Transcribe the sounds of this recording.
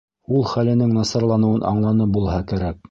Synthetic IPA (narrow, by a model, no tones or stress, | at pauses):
ulˠχælɘ̆nɘŋnɑsɑɾlˠɑnɤ̆wɤnʔɑ̰ɴlˠɑnɤp̚bulˠɦɑkæɾæk̚